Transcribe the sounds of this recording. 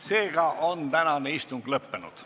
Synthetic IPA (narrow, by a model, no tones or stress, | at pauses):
se̞ːɡ̥ɑʔont̪ænɑne̞ist̪uŋɡ̥lɤpːenṵd̪̥